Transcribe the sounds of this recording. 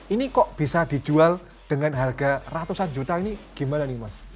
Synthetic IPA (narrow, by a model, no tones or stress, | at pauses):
inikɔʔb̥isad̥i̤d͡ʒual | d̥əŋanɦarɡa̤rat̪usand͡ʒut̪ainiɡ̥i̤mananimas